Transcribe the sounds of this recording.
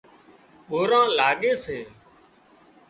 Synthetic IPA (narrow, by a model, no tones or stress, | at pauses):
ɓoːɾãːlaːɠeːseː